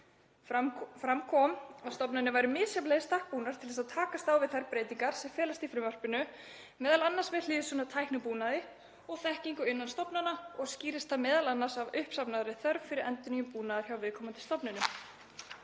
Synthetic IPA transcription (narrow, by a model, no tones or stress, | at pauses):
fɾamkʰɔːmaðst̪ɔpnanɪvajɾʏmɪːsjapleɣst̪ahk̚puːnaɾt̪ʰɪlðɛsaðt̪ʰaːkast̪aːwvɪðθaɾpɾeːjt̪iŋkaɾ̥sɛmfɛːlast̪ifɾɪmvœr̥pɪnʏ | mɛːðalanːasvɛðliːðsʏnat̪ʰajhknapuːnaðɪ | ɔɣθɛhciŋkʏɪnːanst̪ɔpnanaɔɣsciːɾɪst̪θamɛːðalanːasavʏhpsapnaðaɾɪθœɾvfɪɾɪɾɛnt̪ʏnijʏmpuːnaðaɾ̥çjawvɪðkʰɔmant̪ɪ̥st̪ɔpnɪnʏ